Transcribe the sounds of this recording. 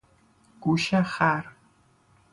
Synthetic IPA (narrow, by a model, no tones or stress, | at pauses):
ɡ̥uːʃɐχaːr